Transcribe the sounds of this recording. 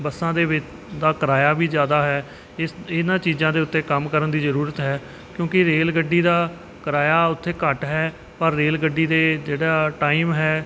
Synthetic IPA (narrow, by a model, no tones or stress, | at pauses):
bəsãːd̪eːʋɪt͡ʃ | d̪aːkəɾaːjaːbiːzjaːd̪aːɦɛː | ɪɪnãːt͡ʃiːzãːd̪eːʊt̪ːeːkəmkəɾənd̪iːzəɾuːɾət̪ɦɛː | kjõːkɪɾeːlɡəɖːiːd̪aː | kəɾaːjaːʊt̪ʰːeːkəʈɦɛː | pəɾːeːlɡəɖːiːd̪eːd͡ʒeːɽaːʈaːiːmɦɛː